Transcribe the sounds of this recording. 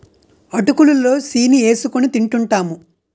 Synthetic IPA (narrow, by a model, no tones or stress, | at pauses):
ɐʈukululːo̞ːsiːnie̞ːsukunit̪iɳʈuɳʈaːmu